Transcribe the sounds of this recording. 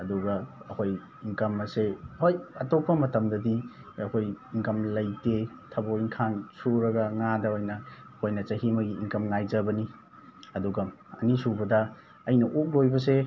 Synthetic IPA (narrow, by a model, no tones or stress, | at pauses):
ɐduɡɐɐkʰoj | iŋkɐmɐsehojɐtopːɐmɐtɐmdɐdi | ɐkʰojiŋkɐmlɐjte | tʰɐboiŋkʰansuɾɐɡɐŋadɐojnɐkʰojnɐt͡ʃɐɦimɐɡiːŋkɐmŋajzɐbɐni | ɐduɡɐ | ɐ̰nisubɐdɐ | ɐjnɐʔuk̚lojbɐs̬e